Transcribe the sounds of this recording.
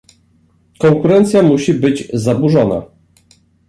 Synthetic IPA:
kɔŋkuɾɛnt̪sʲjamuɕibɘd͡ʑzabuʐɔna̰

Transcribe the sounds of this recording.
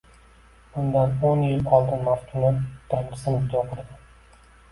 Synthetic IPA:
b̥ʊnd̪anonjɪlɒlˠd̪ɪnmaft̪ʰʊnɪt̪ʰɾnqʰɨ̥sɪnd͡ʒʊd̪ɒqʰʊɾd̪ɪ

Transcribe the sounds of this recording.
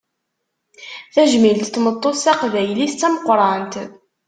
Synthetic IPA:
θæʒmilt̪θmət̪ˤːosæqvæjlist͡sːæməqɾˤɑnt̪

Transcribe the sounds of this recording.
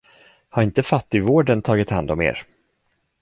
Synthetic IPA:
haɾɪnt̪əfat̪ːɪvoːɖənt̪ʰɑːɡɪt̪hand̪ɔmḛːɾ

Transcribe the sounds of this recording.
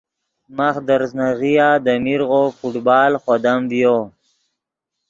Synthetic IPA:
maxd̪əɾznaɣijaːd̪əmiɾɣofuʈbɑːlxwad̪amvjo

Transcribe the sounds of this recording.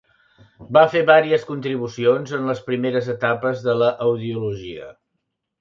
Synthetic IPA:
bafeβaɾiəskunt̪ɾiβ̞usionzənləspɾimeɾəzət̪apəzðələʔəwðiuluʒiə̰

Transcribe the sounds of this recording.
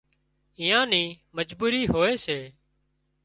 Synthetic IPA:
iːjãːnĩːməd͡ʒbuːɾiːɦoːeːseː

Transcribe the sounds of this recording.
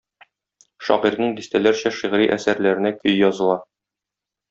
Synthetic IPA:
ʃɒ̰ʁiɾnɤɴd̪ist̪ælæɾɕæʃiʁɾiʔæsæɾlæɾɘ̆nækɵjjɒzɤ̆lˠɑ

